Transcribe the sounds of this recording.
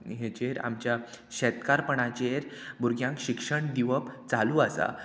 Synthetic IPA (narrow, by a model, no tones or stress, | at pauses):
ɦet͡ɕeɾa̰mt͡ɕja | ɕɛt̪kaɾpəɳat͡ɕeɾbuɾɡʱjãŋkɕikʂəɳd̪iʋəpt͡saluːasa̰